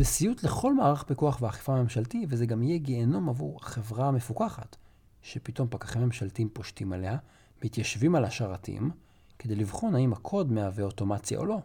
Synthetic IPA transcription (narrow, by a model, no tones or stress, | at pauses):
besijutle̞χo̞lmaːʁaχpikuaχveaχi̥faːme̞mʃaltivezeɡamijeɡeːno̞mavuʁaχe̞vʁame̞fukaχa̰t | ʃe̞pit̪o̞mpakḁχimːe̞mʃaltiimpo̞ʃtimale̞ha | mitjaʃvimalaʃaʁatḭm | ke̞d̪e̞jlivχo̞naimakʰo̞dmeaveoto̞mat͡sja̰ʔo̰lo̞